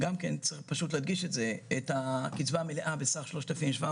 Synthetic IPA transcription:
ɡamkent͡sipaʃutlehadɡiʃetzeetakit͡svaːmeleʔabesaχʃlo̞ʃtafimʃva

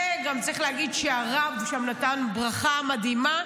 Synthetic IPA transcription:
eɡamt͡sʁiχlehaɡidʃeaʁavʃamnatanbʁaχamadima

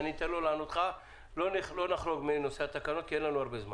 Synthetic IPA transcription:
nit̪enlo̞laanot̪χa | lonilo̞naχlo̞ɡmejno̞seat̪akanot̪kienlanuaʁbezma

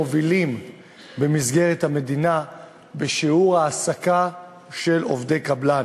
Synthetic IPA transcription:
ovilim | bemizɡe̞ʁethame̞dina | beʃiuʁhaːsaka | ʃe̞lo̞vdejkablan

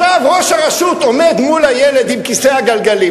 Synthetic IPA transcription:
lavʁoʃhaʁaʃut̪o̞me̞d̪mulhajeled̪imkiseaɡalɡali

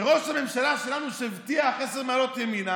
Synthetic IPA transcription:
ʁoʃamɛmʃalaʃɛlanuʃɛvt̪iaχɛsɛdmalɔt̪jɛmina

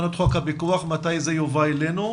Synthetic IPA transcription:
not̪χokhabikuaχmat̪ajzejovaelenu

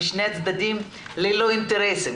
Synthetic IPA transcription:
iʃneat̪t͡sd̪ad̪im | leloint̪eɾesim

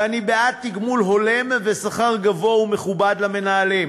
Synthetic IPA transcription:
anibeat̪ːiɡmulɦo̞le̞mvesaχaʁɡavo̞ume̞χubad̪lame̞naːlem

